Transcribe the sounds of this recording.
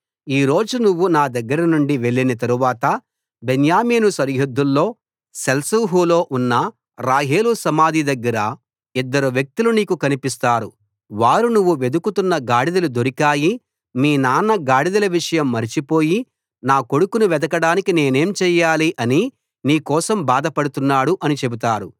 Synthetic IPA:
iːɾo̞ːd͡ʒunuʋːunaːd̪ɐɡːɐɾɐnuɳɖiʋe̞ɭːinɐt̪̬ɐɾuʋaːt̪ɐ | benjaːmeːnusɐɾjod̪ʱːulːo̞ː | sɐlsuɦuːlo̞ːʔunːɐ | ɾaːɦeːlusɐmaːd̪ʱid̪ɐɡːɐɾɐ | id̪ːɐɾuʋjɐk̚t̪uluniːkukɐnipist̪aːɾu | ʋaːɾunuʋːuʋe̞d̪ukut̪unːɐɡaːɽid̪ɐlud̪o̞ɾikaːji | miːnaːnɐɡaːɽid̪ɐlɐʋiʂɐjɐmːɐɾit͡ʃipo̞ːji | naːko̞ɽukunuʋɛd̪ɐkɐɽaːnikine̞ːne̞ːmt͡ʃɛːjaːliʔɐni | niːkɔːsɐmbaːd̪ɐpɐɽut̪unːaːɽuʔɐnit͡ʃe̞but̪aːɾṵ

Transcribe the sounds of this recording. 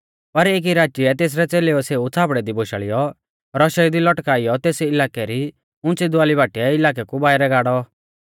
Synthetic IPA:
pɐɾeːk̬iɾaːt͡ʃiɛt̪eːs̬ɾɛt͡seːleɔseːut͡sʰaːpɽɛd̪iboʃa̰ːɭɪjɔ | ɾɔʃaid̪ilɔʈkaːɪjɔt̪eːsɛɪlaːkɛɾi | ʊ̃nt͡sid̪ʊaːlibaːʈiɛɪlaːk̬ɛkubaːɪɾɛɡaːɽɔ

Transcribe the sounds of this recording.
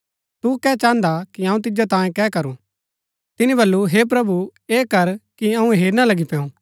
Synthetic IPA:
t̪ukɛːt͡ʃãːnd̪akiɐ̃ːũt̪ɪd͡ʒat̪ãːẽkɛːkɐɾṵ̃ | t̪ɪnĩbɐlːuɦeːp̬ɾɐbueːkɐɾkiɐ̃ũɦeːɾnalɐɡipɛ̃ːũː

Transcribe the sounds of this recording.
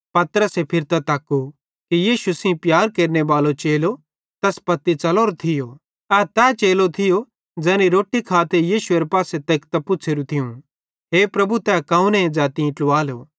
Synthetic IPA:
pɐt̪əɾəsepʰɪɾt̪ɐt̪aːkːu | kijiːʃusĩpjaːɾkeːɾneʋaːlot͡ʃeːlo | t̪ɐspɐt̪ːit͡sɐloːɾot̪ʰɪjo | ɛːt̪ɛːt͡ʃeːlot̪ʰɪjo | d͡zɛːniɾoːʈːikʰaːt̪ejiːʃueɾepaːset̪eːkt̪ɐpʊːt͡ʃʰeːɾũt̪ʰɪũ | ɦeːpɾɐbut̪ɛkãːũnẽd͡zaːt̪ĩʈluaːlo

